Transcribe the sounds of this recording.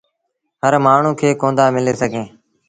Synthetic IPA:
ɦəɾmaːɳ̤ũːkʰeːkõːnd̪aːmɪleːsəɡʱẽː

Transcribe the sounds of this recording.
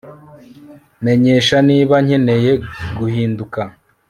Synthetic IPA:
me̞ɲe̞ːʃaniːβaɲe̞ne̞je̞ɡuhiːnduka

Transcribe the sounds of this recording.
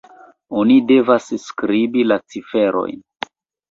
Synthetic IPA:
onide̞vasskɾibilat͡sife̞ɾʔo̞̰jn

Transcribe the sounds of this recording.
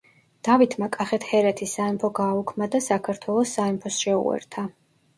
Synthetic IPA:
d̪̥avit̪ʰmakʼaχɛt̪ʰhɛɾɛt̪ʰisːaimpʰɔɡaːukʰmad̪asakʰaɾt̪ʰwɛlˠɔsːaimpʰɔsʃɛṵɛ̰ɾt̪ʰa

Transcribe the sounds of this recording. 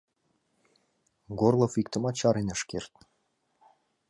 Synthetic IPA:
ɡorlˠofik̚t̪ə̆mɑt͡ɕɑɾenə̆ʃkert̪̚

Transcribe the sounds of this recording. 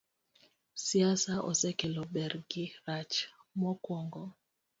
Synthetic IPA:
siasaʔɔ̰sɛkɛlɔbɛɾɡiɾat͡ʃmɔkwɔŋɡɔ

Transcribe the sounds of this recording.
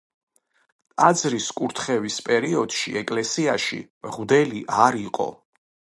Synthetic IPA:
t̪ʼad̪zɾiskʼuɾt̪ʰχɛvispʼɛɾiɔd̪̥ʃḭɛkʼlɛsiaʃḭmʁd̪ɛliʔaɾiqʼɔ̰

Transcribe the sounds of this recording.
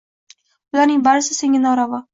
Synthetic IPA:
ʊlaɾnɪŋbaɾɪsɪseŋʲɪnɒɾavɒ

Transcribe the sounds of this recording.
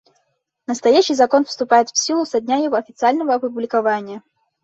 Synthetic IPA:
nəst̪ajaɕɨjzɐkɔnfst̪ʊpajɪt̪wsʲilˠusɐd̪ʲnʲajɐɣɔɐfʲɪt̪sɨalʲnɐvəːpublʲɪkavanʲɪjə

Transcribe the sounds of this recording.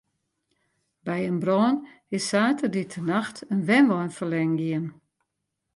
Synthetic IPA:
bɛjənbrɔːn | ɪsːaːtəditʰənaxtʰənʋɛnʋɔjnfərlɛŋɡiən

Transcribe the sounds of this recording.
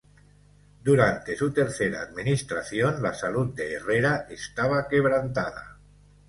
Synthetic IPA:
d̪uɾant̪esut̪eɾθeɾa̰ːd̪minist̪ɾaθjonlasalut̪̚d̪eːreɾaʔest̪aβ̞akeβ̞ɾant̪að̞a̰

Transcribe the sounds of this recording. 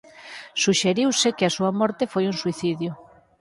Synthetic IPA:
suʃeɾiwsɪkeasuɐmɔɾt̪ɪfojunsuiθiðjʊ

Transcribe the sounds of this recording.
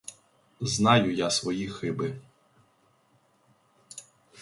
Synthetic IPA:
znɑjʊjasʋɔjixɪbɪ

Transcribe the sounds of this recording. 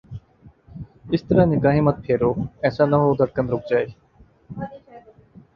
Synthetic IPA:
ɪst̪əɾaːnikãːɦĩːmət̪̚pʰeːɾoːɛːsãːnɐɦoːd̪ʱəɽ̚kənɾʊk̚d͡ʑaːeː

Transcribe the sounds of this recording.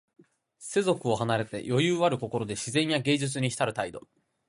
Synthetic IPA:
se̞zo̞kɯ̟o̞hanaɾe̞t̪e̞̰jʔo̞jɯːβaɾɯ̟ko̞ko̞ɾo̞d̪e̞ɕizẽ̞ɲ̃jaɡe̞ːʑɨt͡sɨɲ̟içi̥t̪aɾɯ̟t̪aid̪o̞̰

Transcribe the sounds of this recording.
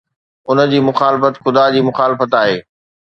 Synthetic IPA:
ʊnə̆d͡ʑiːmʊxaːlɪfət̪xʊd̪ad͡ʑiːmʊxaːlɪfət̪aːɦeː

